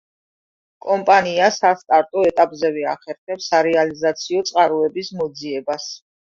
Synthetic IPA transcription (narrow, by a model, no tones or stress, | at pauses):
kʼɔmpʼaniasast̪ʼaɾt̪ʼɔɛt̪ʼapʼzɛvɛaχɛɾχɛpsaɾɛalizat̪sʰiɔt̪sʼqʼaɾuɛbismɔd̪ziɛbas